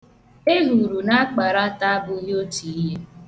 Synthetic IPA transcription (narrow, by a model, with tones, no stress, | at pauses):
e˦ɦu˨ɾu˨na˦a˦k͡pa˨ɾa˦ta˦bʊ˦ɦo˦ti˨i˦ɦe˦